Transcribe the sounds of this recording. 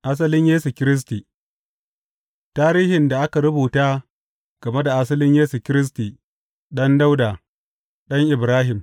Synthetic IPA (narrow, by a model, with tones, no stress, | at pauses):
ʔa˦s̬ɐ˦lɪ˦ɲjeː˦su˨kʲɪ˦ɾɪ˦s̬ti˨ | taː˦ɾiː˦hɪ˨nda˨ʔa˦ka˨ɾʊ˦buː˨taː˦ | ɡ̥ɐ˨me˦da˨ʔa˦sɐ˦lɪ˦ɲjeː˦su˨kʲɪ˦ɾɪ˦s̬tiː˨ | ɗɐ˦nda˦wdaː˨ | ɗɐ˦ŋʔɪ˨bɾaː˦ɦɪ˨m